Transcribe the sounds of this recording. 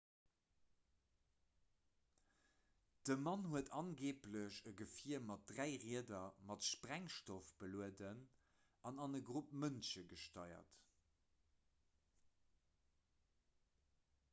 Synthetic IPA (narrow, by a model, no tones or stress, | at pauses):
d̥əmɑnhuətʰɑnɡeːpləɕəɡəfiɐmɑt̚dʁæɪʁiədɐmɑtʃpʁæŋʃtofb̥əluədən | ɑnɑnəɡʁup̚mənʃəɡəʃtɑɪɐ̰t